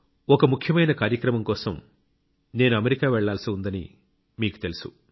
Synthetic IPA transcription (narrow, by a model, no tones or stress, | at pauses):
ɔkɐmukʰjɐmɐjnɐkaːɾjɐkɾɐmɐmkɔːsɐm | ne̞ːnuɐmeɾikaːʋɛɭːaːlsiund̪ɐnḭ | miːku̥t̪elusu